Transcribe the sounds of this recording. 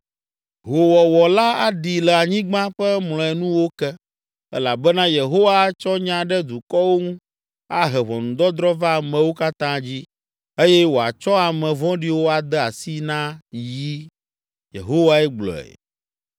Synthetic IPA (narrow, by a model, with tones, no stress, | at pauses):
ɦo˨wɔ˨wɔ˨la˦a˦ɖi˨lɛ˨a˨ɲĩ˦ɡ͡bã˦ɸɛ˦mlɔ̃˨ɛ˨nũ˦wo˦kɛ˦ | ɛ̰˦la˨bɛ˦nã˦je˨ɦo˦wa˦t͡ʃɔ˦ɲã˦ɖɛ˦d̪u˨kɔ˦wo˦ŋũ˦ | a˦ɦɛ˨βɔ̰̃˨ŋũ˨d̪ɔ˦d̪ɾɔ˦va˦˨mɛ̃˨wo˦ka˦t̪ã˦d͡ʑi˦ | e˦jɛ˦wo˨a̰˨t͡ʃɔ˦a˨mɛ̃˨vɔ̃˦ɖi˨wo˦a˨d̪ɛ˦a˨si˦nã˦ji˦ | jḛ˨ɦo˦wa˦ɛ˦ɡ͡blɔ̰˨ɛ̰˨